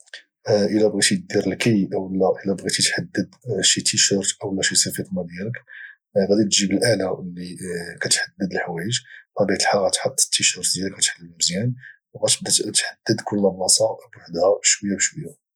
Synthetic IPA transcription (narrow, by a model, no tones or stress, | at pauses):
ʔəlæbɣit̪id̪iɾəlkəjʔəwəlːæʔəlːæbɣit̪it̪ħad̪ːəd̪ʃit̪ʰiʃəɾʔəwəlːæʃisəfit̪mæd̪jælək | ɣæd̪it̪ʒibəlʔaʕlælːikæt̪ħad̪ːəd̪əlħwæjəʒbæd̪it̪əlħaɣæt̪ħɑt̪ˤːə̥t̪ːiʃəɾˤd̪jæləkːæt̪ħalːəlmzjæn | ɣæt̪b̚d̪æt̪ħad̪ːəd̪kʰʊlːæbnɑsˤɑbwaħd̪hæbʃwəjːæbəʃwəjːa